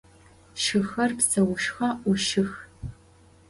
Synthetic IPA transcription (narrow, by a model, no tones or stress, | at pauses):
ʃɨxɐrpsɐwʊʃxɐʔʷʊʃɪx